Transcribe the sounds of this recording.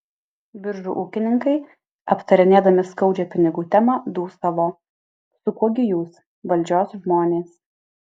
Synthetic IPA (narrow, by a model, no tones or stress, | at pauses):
bʲɪɾʒṵːʔuːkʲɪnʲɪŋkɐɪ | ɐpt̪ɐɾʲɪnʲeːd̪ɐmʲɪskɐʊd͡ʒʲɛːpʲɪnʲɪɡuːt̪ʲɛmɑd̪uːst̪ɐʋoː | sʊkuɔɡʲɪjuːs | ʋɐlʲd͡ʒʲoːsʒmoːnʲeːs